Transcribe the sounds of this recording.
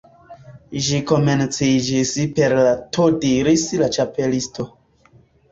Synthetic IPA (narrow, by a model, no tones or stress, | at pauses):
ʒiko̞me̞nt͡sid͡ʒispe̞ɾlatʰodiɾislat͡ʃape̞listʰo